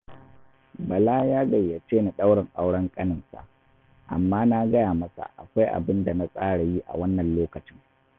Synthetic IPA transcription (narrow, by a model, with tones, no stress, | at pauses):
bɐ˨laː˦jaː˦ɡɐ˨jːɐ˨t͡ʃeː˦ni˨ɗa˦wɽɪ˨ŋʔa˦wɽɐ˦ŋkʼɐ˦nɪ˨nsa̰˨ʔ | ʔa̰˨mːaː˦na˦ɡɐ˦jaː˨mɐ˦sa̰˨ʔa̰˨kʷa˦jʔa̰˨bɪ˦nda˨na˦sʼaː˦ɽa˨ji˦ʔa̰˨wɐ˦nːɐ˨nloː˦kɐ˨t͡ʃɪ˦ŋ